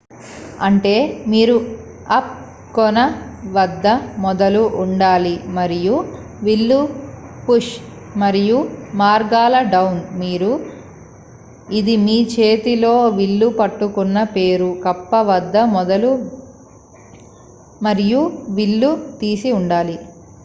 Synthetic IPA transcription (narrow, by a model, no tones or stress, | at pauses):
ɐɳʈe̞ːmiːɾu | ɐp̚ | kɔnɐʋɐd̪ːɐmɔd̪ɐluʔuɳɖaːlimɐɾiju | ʋilːupuʂmɐɾijumaːɾɡaːlɐɖɐwnmiːɾu | id̪imiːt͡ʃe̞ːt̪ilo̞ːʋilːupɐʈːukunːɐpe̞ːɾukɐpːɐʋɐd̪ːɐmɔd̪ɐlu | mɐɾijuʋiɭːut̪iːsiuɳɖaːli